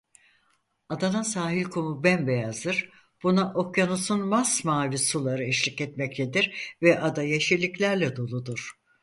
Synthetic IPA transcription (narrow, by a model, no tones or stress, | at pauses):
ad̪anasaːɦilʲkʰomubænbejazd̪ɯɾ̥ | b̥unaʔo̞kjanusunmasmaːvisulˠaɾɯiʃlʲicɛt̪mɛclʲed̪iɾvɛʔad̪ajeʃilʲiclʲæɾlʲɛd̪o̞lˠud̪uɾ̥